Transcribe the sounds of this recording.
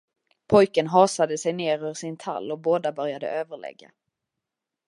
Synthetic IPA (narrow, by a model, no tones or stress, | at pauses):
pʰɔjkənɦɑːsad̪əsɛjneːɾœvʂɪnt̪ʰa̰lːɔboːd̪abœɾjad̪ə̰ʔøːvəɭɛ̰ɡːa̰